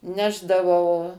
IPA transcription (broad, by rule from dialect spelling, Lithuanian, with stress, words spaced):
ˈnʲæːʒdɐʋɐʊ